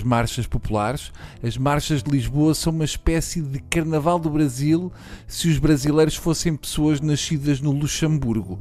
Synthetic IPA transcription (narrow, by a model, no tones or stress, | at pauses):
ʒmaɾʃɐʃpupulˠaɾʃɐʒmaɾʃɐʒd̪ɨlˠiʒβoɐsɐ̃w̃umɐʃpɛsiðɨkɐɾnɐvalˠd̪uβɾɐzilˠ | sɨuʒβɾɐzilˠɐjɾuʃfosẽj̃pɨ̥soɐʒnɐʃiðɐʒnulˠuʃɐ̃mbuɾɣu